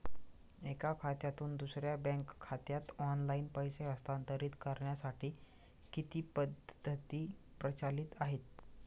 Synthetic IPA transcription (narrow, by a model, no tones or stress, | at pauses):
ekakʰat̪jat̪uːnd̪usɾjabɛ̃ŋkʰːat̪jat̪ɔnlaiːnpəjseəst̪ant̪əɾiːt̪kəɾɳjasaʈʰiː | kit̪iːpəd̪ʱːət̪iːpɾət͡ɕalit̪aɦet̪